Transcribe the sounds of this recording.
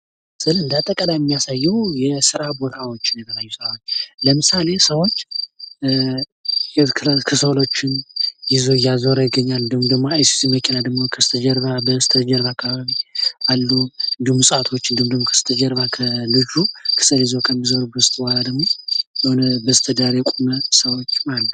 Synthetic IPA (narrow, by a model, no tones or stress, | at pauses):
sʼɨlɨnd̪at̪ʼːəkʼəlajɛmːijasajːɛwjɛsɨɾabo̞t̪ʰawo̞t͡ʃːɪnjɛt̪ʰəlajːusɨɾawot͡ʃːləmɨsale̞səwo̞t͡ʃː | kʰɨsolo̞t͡ʃːɪnjɪzo̞jːazo̞ɾajɪɡəɲːald̪əmud̪əɡmoajsi̥siməkʰːinad̪əɡmo̞kʰəst̪ʰəd͡ʒəɾβabəst̪ʰəd͡ʒəɾβaakːaβaβialːuɨnd̪ihumːsʼat̪ʰo̞t͡ʃːɨnd̪ɨmd̪əmokʰə̥sɨt̪ʰəd͡ʒəɾβakʰəlɨd͡ʒukʰɨ̥səljiɪzo̞kʰəmːizo̞ɾbəsɨt̪ʼwaɾad̪əɡmo̞jahunbəsɨ̥t̪ʰəd̪aɾjɛkʼuməsəwo̞t͡ʃːmalət̪